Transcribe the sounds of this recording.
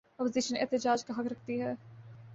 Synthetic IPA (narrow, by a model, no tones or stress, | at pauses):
ɔːpoziʃənɛ̰ːt̪ɪd͡ʒaːd͡ʒkaɦɐkɾɐkʰt̪iɦɛː